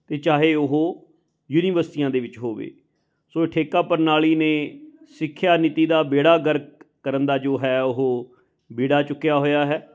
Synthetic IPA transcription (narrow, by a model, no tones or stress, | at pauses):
t̪eːt͡ʃaːɦeːʊɦoː | juːniːʋəɾsɪʈiːjãːd̪eːʋɪt͡ʃɦoːʋḛː | soːɪʈʰeːkaːpəɾnaːɭiːneːsɪkʰːjaːnɪt̪iːd̪aːbeːɽaːɡəɾkkəɾənd̪aːd͡ʒoːɦɛːʊɦoː | beːɽaːt͡ʃʊkːjaːɦoːjaːɦɛː